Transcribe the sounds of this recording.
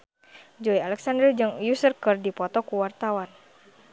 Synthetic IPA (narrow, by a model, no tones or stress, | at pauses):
d͡ʒɔialɛksandɾd͡ʒɨŋjusərkərdipɔt̪ɔkuwart̪awan